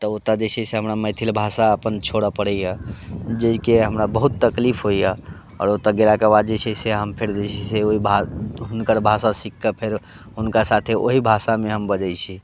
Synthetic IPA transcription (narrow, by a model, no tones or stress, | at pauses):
t̪ɔot̪ad͡ʒet͡ʃʰɛseɦəmɾaməjt̪ʰilbʱasaəpənt͡ʃʰoɽəpəɽɛjəd͡ʒəikeɦəmɾabəɦut̪ːəklipʰɦoijə | ɔ̰ːɾot̪aɡelakebad̪d͡ʒet͡ʃʰɛseɦəmpʰeɾd͡ʒet͡ʃʰiseoɦibʱaɦunkəɾbʱasasikːəpʰeɾ | ɦunkasat̪ʰeʔo̰ɦibʱasameɦəmbəd͡ʒəjt͡ʃʰi